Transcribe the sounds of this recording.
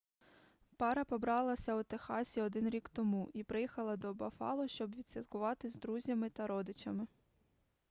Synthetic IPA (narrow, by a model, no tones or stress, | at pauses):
pɑɾɐpɔbɾɑlˠɐsʲɐʊt̪exɑsʲiɔd̪ɪnɾʲikt̪ɔmuʔipɾɪjixɐlˠɐd̪ɔbɐfɑ̰lˠɔʃt͡ʃɔbʋʲid̪ʲsʲʋʲit̪kʊʋɑt̪ɪzd̪ɾuzʲɐmɪt̪ɐɾɔd̪ɪt͡ʃɐmɪ